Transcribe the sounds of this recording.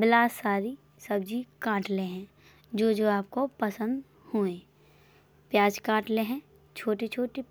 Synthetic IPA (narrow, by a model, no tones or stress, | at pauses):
bɪlaːsaːɾi | sɐbd͡ʒikãːʈleɦɛ̃ | d͡ʒoːd͡ʒoːaːp̚kopɐsə̃nd̪ | huẽː | pjaːd͡ʒkãːʈleɦɛ̃ | t͡ʃʰoːʈit͡ʃʰoːʈi